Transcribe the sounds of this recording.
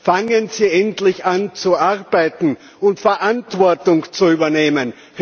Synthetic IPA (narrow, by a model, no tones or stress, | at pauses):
faŋənsiːʔɛntlɪçant͡suʔaʁbaɪtn̩ | ʊntfɛɐʔantv̥ɔɐtʊŋt͡suyːbɐneːmən